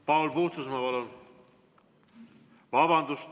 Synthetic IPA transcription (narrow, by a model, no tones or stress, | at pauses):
pɑwlpuht̪susmɑvɑlo | vɑbɑnd̪us